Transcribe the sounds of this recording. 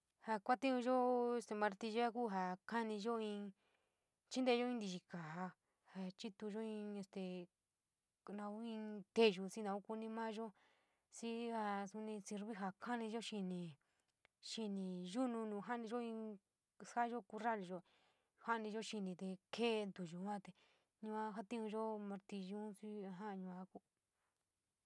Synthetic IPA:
ha˧kʷa˦t̪ĩ˦ũ˧ʒo˦e˧st̪e˧mã˧ɾt̪i˧ʒa˦ku˦ɦa˧ka˦nĩ˧ʒo˦ĩ˧ | t͡ʃi˦nd̪e˧ʒo˦ĩ˦nd̪i˧ʒi˧ka˨ɦa˧ | ha˧t͡ʃi˦t̪u˧ʒo˦ĩ˧e˧st̪e˧ | nã˧u˦ĩ˧t̪e˧ʒu˧si˦nã˧u˦ku˧nĩ˧mã˦ʒo˦ | si˦ha˧su˧nĩ˧si˧ɾβi˦ɦa˧˨kʰa˦nĩ˧ʒo˦ʃi˧nĩ˧ | ʃi˧nĩ˨˧ʒu˦nũ˧nũː˨˧ɦa˦nĩ˧ʒo˦ĩ˧ | sa˦ʒo˦ku˧ra˦˨li˧ʒo˧ | ha˦˧nĩ˧ʒo˦ʃi˧nĩ˧t̪e˧keː˦˧nd̪u˨ʒu˧˨˦ã˦t̪e˧ | ɲũ˧ã˧ɦa˦t̪ĩ˦ũ˧ʒo˦mã˧ɾt̪i˧ʒũ˦si˦a˧ɦã˦˧ɲũ˧a˧ku˦

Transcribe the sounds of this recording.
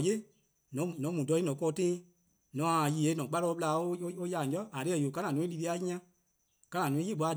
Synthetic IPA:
je˦ | nɔ̃˨˦˨nɔ̃˨˦mũ˨dɔ˧˦i˦ɔ̃˨˦kɔː˧˨˦tẽ˦ | nɔ̃˨a˨ji˨e˨˦nɔ̃˨k͡pa˦ɾɔ˧˦˧ɓla˧˦o˦o˦ja˧˨ɔ˦a˨ɾe˨˦ɛ˨jo˨kã˦nã˨nũ˨˦ĩ˦li˧ɾi˧˦a˦ɲĩ˦ã˦ | kã˧nã˨nũ˨ĩ˦e˦˨ɓʷa˨˧˦

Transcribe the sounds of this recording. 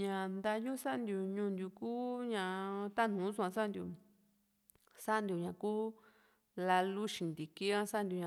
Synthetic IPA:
ɲã˨nd̪a˧ju˦sa˦ʔnd̪ʲju˨ɲũ˧nd̪ju˧kuː˦ɲã˧˨t̪a˦˨nũ˨˦su˧ã˧sa˦˧nd̪ju˨ | sa˦ʔnd̪ju˨ɲã˨kuː˦ | la˧lu˦ʃĩ˨nd̪i˨ki˦ã˦sa˦nd̪ʲju˨ɲã

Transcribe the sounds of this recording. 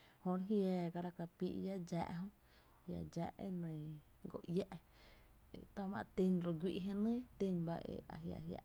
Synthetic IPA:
hõ˧ɾɦjaː˧˨ɡa˧ɾa˧ka˧pḭ˧ʔja˦d͡ʒa̰ː˧˨ʔɦõ˦ | ja̰˨d͡ʒa˧ʔḛ˦nə̃˨ | ɡo˧˨ʔja˦ʔ | e˨t̪a˦˧mã˧t̪i˧nɾo˧ɡwi˧ʔɦẽ˧nɨ̃˦t̪i˧nba˧ʔḛ˧˨a̰˨ɦja̰˨ʔɦja̰˧ʔ

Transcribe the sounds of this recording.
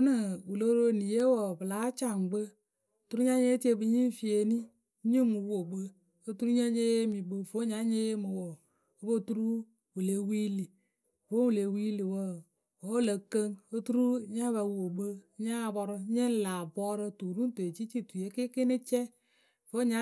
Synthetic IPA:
u˦nɨ˨wu˨lo˦ɾo˦˨ni˨je˦wo˨bɨ˨la˨˦t͡ʃa˨ŋ˨ɡ͡bə˦˨ | tu˦ɾu˦ɲa˦ɲe˦ti˦e˦bɨ˧ɲi˦˨fi˨e˨ni˦ | ɲi˦mu˨˦wo˨bə˦ | o˦tu˦ɾu˦ɲa˦ɲe˦je˦mi˨bo˦˨fo˦ɲa˦ɲe˦je˦mɨ˨wo˨ | o˦bo˦tu˦ɾu˦ | wu˨le˨˦wi˦li˨ | fo˦u˨le˨wi˦li˨wə˦˨ | wo˨˦lə˨kə˦ŋo˦tu˦ɾu˦ɲa˦βa˨˦wo˨bə˦ɲa˦˨˦bɔ˧ɾə˦ɲe˦n˦la˨bɔ˦ɾə˦tu˨ɾu˦n˦te˨t͡ʃi˦t͡ʃi˦tu˨je˦ke˦ke˦nɨ˦t͡ʃɛ˦ | fo˦ɲa˦

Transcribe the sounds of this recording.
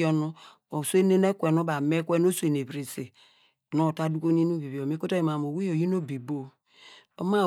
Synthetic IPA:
o˦no˦ | o˨sʷe˦ne˦ne˦kʷe˨no˦ba˨me˦kʷe˦no˦su˦e˨ne˨bɾi˨si˨ | no˦˨ta˦du˦ko˦n˦i˦no˦bi˨bi˨o˨mi˦ko˦ta˦ji˨ma˨m˨o˨wi˦o˨ji˦no˦bi˨bo˦ | o˦ma˦

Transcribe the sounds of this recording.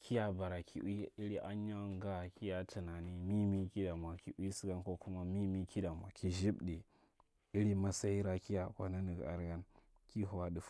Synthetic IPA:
kʰi˦ja˦ba˨ɾa˨kʰi˨ʔi˦i˦ɾi˦ʔa˦ɲ˦a˦ŋ˦ɡa˦˨ki˦ja˦tʰi˨na˨ni˦mi˦mi˦ki˦da˨m˨a˨ki˨ʔʷi˦si˦ɡa˦nko˦ku˦ma˦mi˦mi˦kʰi˦da˨m˨a˨kʰi˦ʒi˦bɗi˨ | i˦ɾi˦ma˦sa˦i˦ɾa˦ki˦ja˨kʷa˦na˦ni˨ɡa̰˨ɾɡa˦n | ki˦ɦu˨wa˦ɗi˨˦f

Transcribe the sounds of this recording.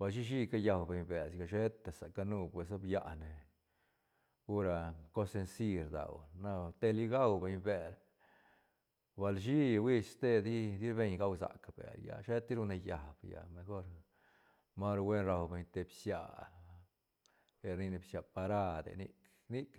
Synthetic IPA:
ba˨lʃ̬i˦ʃ̬i˦ka˦ja˧wbe˨ɲbe˨sɡa˧˨ʃe˦t̪e˨sa˨ka˧nu˦˧pwe˨so˦bja˧ne˨ | u˦ɾa˧ko˦se˧nsi˧ɾd̪a̰˨wna˦˧t̪e˧li˦˧ɡa˦wbe˨˧ɲbe˨ɾ | ba˨lʃi˦wi˦sst̪e˦d̪i˦d̪i˦ɾbe˧ɲɡa˦wza̰˨ka˨b̥ḛ˨ɾja̰˧ʃe˦t̪i˦ɾu˧ne˧ja˨b̥ja̰˨me˧xo˦ɾ | ma˦ɾwe˦nɾa˧˨wbe˧ɲt̪e˧bsja˨ | e˨ɾni˧ne˨bsja˨pa˧ɾa˦d̪ḛ˨nḭ˦k | ni˦k

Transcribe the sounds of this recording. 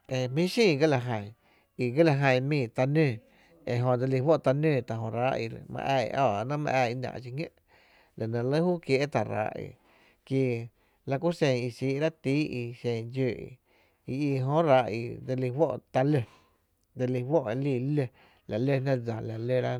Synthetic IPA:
e˧mĩ˦ʃĩː˧˨ɡə˦la˧ɦə̃˨ | i˧ɡə˦la˧ɦə̃˧˨mĩː˧˨t̪a˧nẽː˧˨ | e˨ɦõ˧˨d͡ze˧li˧wo˦ʔt̪a˧nẽː˦˧˨t̪a˧˨ɦõ˧ɾaː˨˦ʔḭ˧mã̰˧ʔa̰ː˧˨˧ɔː˧˨˧nã˦mã̰˧ʔaː˧˨i˧nã̰˧˨ʔt͡ʃi˧ŋḛ̃˦ʔ | la˨nã˧lə˦huː˦kje˧˦ʔt̪a˨ɾa̰ː˨˦ʔḭ˧˨ | ki˧ | la˧ku˦sẽ˧˨i˧siː˧˦ʔɾa˦t̪iː˦i˧ʃẽ˧˨d͡ʒøː˧˨ḭ˧˨ | i˧i˧˨ɦõ˧ɾa˧˦ʔḭ˧d͡ze˧li˧wʷo˦ʔt̪a˧le˧ | d͡ze˧li˧wo˦ʔe˧liː˧˨le˧ | la˨le˧nã˦d͡za˨la˨le˦˧ɾa˦

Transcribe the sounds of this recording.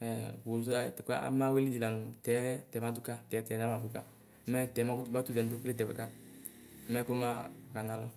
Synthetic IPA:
ɛ˨wo˨˦˨tɛ˨ka̰˦a̰˨˦ma˦we˦li˦di˨la˨nu˨tɛ˨˦tɛ˨˦ma˨˦du˦ka˦tɛ˨˦tɛ˨˦na˦ma˨du˦ka˦ | mɛ˦tɛ˨˦ma˦ku˦tba˦tu˦dɛ˨n˨du˦kle˦˨tɛ˨bɛ˨ka˦ | mɛ˦ku˦ma˦˨ka˨na˨lɔ˦

